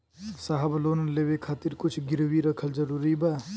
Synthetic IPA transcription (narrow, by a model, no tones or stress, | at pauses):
saɦəbloːnəleːʋekʰaːt̪ɪɾkʊt͡ʃʰɡɪɾwiɾɐkʰəld͡ʒɐɾuːɾibaː